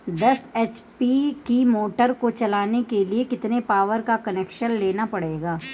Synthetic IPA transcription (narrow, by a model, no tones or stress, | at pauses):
d̪ɐseːt͡ʃpikimoːʈəɾkot͡ʃɐlaːnekeliekɪt̪nepaːʋəɾkakɐneːkʃənleːnapɐɽeːɡaː